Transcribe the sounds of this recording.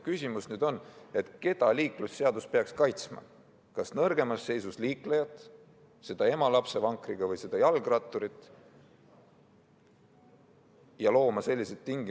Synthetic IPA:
kysʲimusnyːd̪̥o̞ne̞t̪ke̞d̪̥ɑliːklusːe̞ɑd̪uspe̞ɑkskɑjt̪smɑ̰ | kɑsnɤrɡ̥e̞mɑsːe̞jsusliːklejɑt̪ːˑ | se̞d̪̥ɑe̞mɑlɑpse̞vɑŋkriɡ̥ɑvɤjse̞d̪̥ɑjɑlɡ̥rɑt̪ːˑoɾit̪ːˑ | jɑlo̞ːmɑse̞lʲːise̞t̪t̪ːiŋɡ̥i

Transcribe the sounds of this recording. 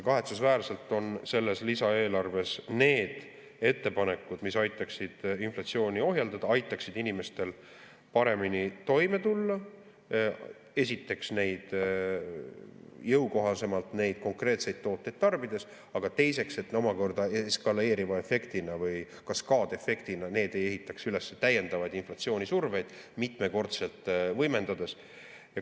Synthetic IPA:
kɑɦe̞t̪susvæːrse̞lt̪ːˑo̞nse̞lːe̞slisɑe̞ːlɑrve̞sne̞ːd̪̥ | e̞t̪ːe̞pɑne̞kːˑud̪̥misɑjt̪ːˑɑksid̪̥inflɑt̪sio̞ːnio̞ɦjɑld̪̥ɑd̪̥ɑɑjt̪ːˑɑksid̪̥inime̞st̪e̞l | pɑɾe̞minit̪o̞jme̞t̪ulːɑ | e̞sit̪ːe̞ksne̞jd̪̥ | jɤwko̞ɦɑse̞mɑlt̪ne̞jd̪̥̚ko̞ŋkre̞ːt̪se̞jd̪̥̚t̪ːo̞ːt̪ˑːe̞jd̪̥̚t̪ɑrbid̪̥e̞s | ɑɡ̥ɑt̪e̞jse̞kse̞t̪no̞mɑko̞rd̪ɑeskɑle̞ːɾivɑe̞fe̞kt̪inɑvɯj | kɑskɑːd̪e̞fe̞kt̪inɑne̞ːd̪e̞jeɦit̪ːˑɑksyle̞sːet̪æjːe̞nd̪ɑvɑjd̪inflɑt̪sio̞ːnʲisurve̞jd̪̥mit̪ˑme̞ko̞rt̪se̞lt̪ːˑvɤjme̞nd̪̥ɑd̪e̞s | jɑ

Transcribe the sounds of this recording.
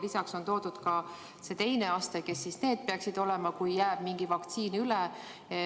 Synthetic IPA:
lisɑkso̞nt̪o̞ːd̪̥ud̪̥kɑ | se̞t̪e̞jne̞ɑst̪eke̞sːisne̞ːd̪̚peɑksid̪̥o̞lɛmɑkujːæːb̥miŋɡ̥ivɑkt̪siːnylɛ

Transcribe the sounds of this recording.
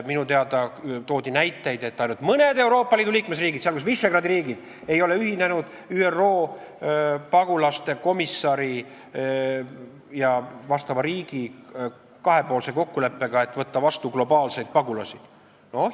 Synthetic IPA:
minut̪eɑd̪̥ɑt̪o̞ːd̪ʲinæjt̪ːˑe̞jd̪e̞t̪ːɑjnud̪̥mɤne̞d̪e̞wɾo̞ːpːˑɑliːd̪uliːkmesriːɡid̪̥seɑlkus̬viseɡrɑːd̪iɾiːɡid̪̥ | ejo̞le̞yɦinenud̪̥ | yːero̞ː | pɑɡulɑst̪e̞ko̞misːɑɾi | jɑvɑst̪ɑvɑɾiːɡ̥i | kɑɦe̞po̞ːlse̞ko̞kːule̞pːe̞ɡ̥ɑe̞t̪ːˑvɤt̪ːɑvɑst̪uɡlo̞bɑːlse̞jd̪̥̚pɑɡulɑsi | no

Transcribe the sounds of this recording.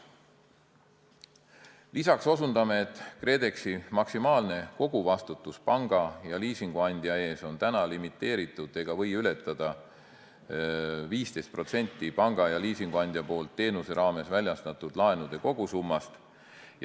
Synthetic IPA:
lisɑkso̞sund̪̥ɑme̞ːt̪ːˑkre̞ːd̪e̞ksimɑksimɑːlne̞ko̞ɡ̥uvɑst̪ut̪ːˑuspɑŋɡ̥ɑjɑliːsiŋɡ̥uɑnʲd̪̥jɑe̞ːso̞nt̪ænɑlimit̪ˑːe̞ːɾit̪ːˑud̪̥e̞ɡ̥ɑvɤ̞jyle̞t̪ːˑɑd̪̥ɑ | viːst̪e̞jst̪̚pro̞t̪se̞nʲt̪ˑːipɑŋɡ̥ɑjɑliːsiŋɡ̥uɑnʲd̪̥jɑpo̞ːlt̪ːe̞ːnuse̞ɾɑːme̞svælʲjɑst̪ɑt̪ːˑud̪̥lɑe̞nud̪̥e̞ko̞ɡ̥usumːɑst̪ | j

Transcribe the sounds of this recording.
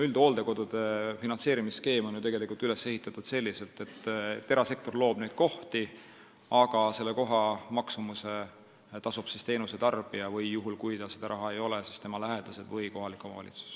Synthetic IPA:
yld̪o̞ːld̪e̞ko̞d̪̥ud̪̥e̞finɑnse̞ːɾimiske̞ːmo̞njyt̪e̞ɡe̞likult̪yle̞sːe̞hit̪ːˑɑt̪ːˑud̪̥se̞lːise̞lt̪e̞t̪ːt̪ːe̞ɾɑse̞k̚t̪o̞rlo̞ːb̥ne̞jd̪̥̚ko̞ht̪i | ɑɡ̥ɑse̞lːe̞ko̞ɦɑmɑksumuse̞ | t̪ɑsub̥sist̪e̞ːnuse̞t̪ɑrb̥iɑvɯjːuɦulkujt̪ɑse̞d̪̥ɑɾʔɑɦɑe̞jo̞lesist̪e̞mɑlæɦed̪̥ɑse̞d̪vɯjko̞ɦɑlikːˑo̞mɑ̰vɑ̰lʲʔḭt̪su̥s

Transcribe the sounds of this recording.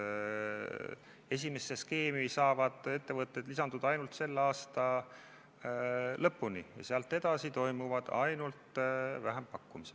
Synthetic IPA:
e̞s̬ʲime̞sːe̞ske̞ːmisɑːvɑd̪̥e̞t̪ːe̞vɤt̪ːˑed̪lisɑnd̪ud̪ɑjnult̪se̞lːɑːst̪ɑ | lɤpːunḭjɑ̰seɑlt̪ːˑe̞d̪̥ɑsit̪o̞jmuvɑd̪̥ɑjnult̪væɦempɑkːumise

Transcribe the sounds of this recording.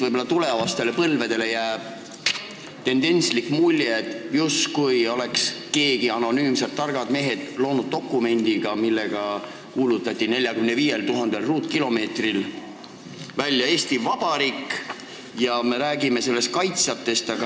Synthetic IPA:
vɤjbolːɑt̪ule̞vɑst̪e̞le̞pɤlve̞d̪e̞le̞jæːb̥ | t̪e̞nd̪̥e̞nʲslikmulʲjed̪̥juskujo̞le̞kske̞ːɡ̥iɑno̞nyːmsert̪ːɑrɡ̥ɑd̪̥me̞ːɦe̞d̪̥lo̞ːnud̪̥̚ːo̞kˑːume̞nʲd̪̥iɡ̥ɑmilːe̞ɡ̥ɑ | kuːlut̪ːˑɑt̪ʲːˑine̞lʲjɑkymneviːje̞lt̪uɦɑnd̪̥elruːt̪ˑkilo̞me̞ːt̪ril | vælʲːjɑe̞ːst̪ivɑb̥ɑɾiːk | jɑme̞ɾæːɡime̞se̞lːe̞st̪̚kɑjt̪sɑt̪ːˑe̞st̪ɑɡ̥ɑ

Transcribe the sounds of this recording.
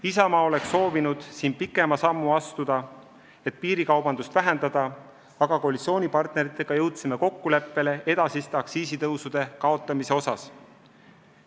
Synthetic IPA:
isɑmɑːo̞le̞kso̞ːvinud̪̥siːnpikːˑe̞mɑsɑmːuɑst̪ud̪̥ɑ | e̞t̪̚ˑpiːɾikɑwb̥ɑnd̪ust̪væɦend̪̥ɑd̪̥ɑ | ɑɡ̥ɑko̞lit̪sio̞ːnʲipɑrt̪ˑne̞ɾit̪ːˑe̞ɡ̥ɑjɤwt̪sime̞ko̞kːule̞pːe̞le̞ʔe̞d̪̥ɑsist̪eɑksiːsit̪ɤwsud̪̥e̞kɑo̞t̪ːˑɑmiseo̞sɑs

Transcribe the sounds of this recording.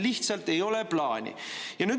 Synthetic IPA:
liht̪sɑlt̪ːe̞jo̞lɛplɑːnʲḭjɑnyːd̪

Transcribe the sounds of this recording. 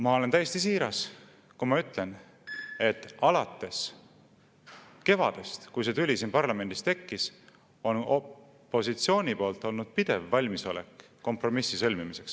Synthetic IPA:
mɑo̞le̞nt̪æjːest̪isiːɾɑs | kumɑyt̪ːˑle̞n | e̞t̪ːˑɑlɑt̪ːˑe̞s | ke̞vɑ̰d̪̥e̞st̪kujset̪ylʲisiːnpɑrlɑme̞nd̪ist̪e̞kːis | o̞no | pːˑo̞sit̪sio̞ːnʲipo̞ːlt̪ˑo̞lnud̪̥̚pid̪̥e̞vːɑlʲmiso̞̰lḛkː | o̞mpro̞misːisɤlʲmimise̞ks

